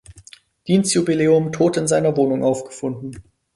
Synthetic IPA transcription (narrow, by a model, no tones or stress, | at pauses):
d̥iːnstjubileːʊmtʰoːtɪnzaɪnɐvoːnʊŋʔaʊfɡ̥ə̥fʊndn̩